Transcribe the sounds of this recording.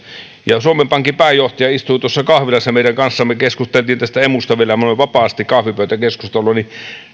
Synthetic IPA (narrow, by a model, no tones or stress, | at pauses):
jɑsuomempɑŋkipæˑːjˑoht̪ɑjɑist̪uit̪uosːɑkɑhʋilɑsːɑmeˑiɾæŋkɑnsːɑmːekeskust̪elt̪iːnt̪æst̪æemust̪ɑʋielæmoneʋɑpɑːst̪ikkɑhʋipøˑyt̪ækeskust̪ɑlˑoːni